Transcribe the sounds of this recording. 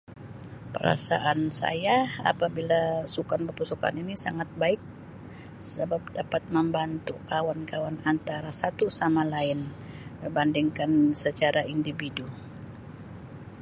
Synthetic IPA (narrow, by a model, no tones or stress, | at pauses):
pə̰ɾa̰sa̰ʔansa̰jaa̰pabilasukanpərpusuka̰ninisa̰ŋat̪̚baɪk̚ | səbap̚dapat̪̚məmbant̪ukawankawanant̪aɾasat̪usamalaɪn | məbandiŋkansət͡ʃaɾaindividu